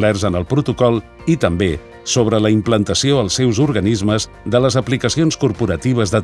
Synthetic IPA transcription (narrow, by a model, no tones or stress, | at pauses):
lɛrzənəlˠpɾut̪ukɔlˠ | it̪əmbe | soβ̞ɾələimplənt̪əsioəlˠsːɛwzuɾɣənizməz | ðələzəplikəsionskuɾpuɾət̪iβ̞əzðə